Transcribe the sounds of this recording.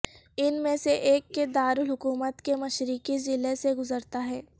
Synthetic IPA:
ɪnmẽseʔeːkːed̪aːɾʊlɦʊkuːmət̪kemɐʃɾɪkizɪleseɡʊzəɾt̪aɦɛː

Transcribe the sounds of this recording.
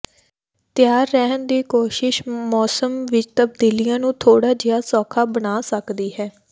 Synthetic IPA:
t̪ɪjaːɾːɛɦənd̪iːkoːʃɪʃmɔːsəmʋɪt͡ʃt̪əb̚d̪iːlijãːnũːt̪ʰoːɽaːd͡ʒɪjaːsɔːkʰaːbənaːsəkd̪iːɦɛː

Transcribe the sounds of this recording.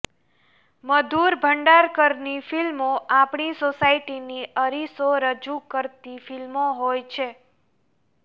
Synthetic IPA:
məd̪uɾbʱəɳɖaɾkəɾnifilmoʔapɳisosaiʈiniəɾisoɾəd͡ʒukəɾt̪ifilmoɦojt͡ʃʰe

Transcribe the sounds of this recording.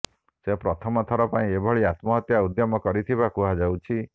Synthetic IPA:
sepɾɔt̪ʰɔmɔt̪ʰɔɾɔpaĩebʱɔɭiat̪mɔɦɔt̪jaud̪jɔmɔkɔɾit̪ʰiβakuɦad͡ʒawt͡ʃʰi

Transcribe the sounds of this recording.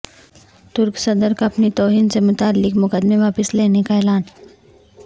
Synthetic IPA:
t̪ʊɾksɐd̪əɾkaɐpnit̪ɔːɦiːnsemʊt̪aːlːɪkmʊkəd̪meʋaːpəsleːnekaɛːlaːn

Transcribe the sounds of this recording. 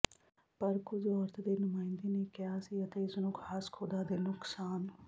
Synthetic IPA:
pəɾkʊd͡ʒɔːɾt̪ʰd̪eːnʊmaːɪ̃nd̪iːneːkɪjaːsiːət̪ẽːɪsnũːkʰaːskʰoːd̪aːd̪eːnʊksaːn

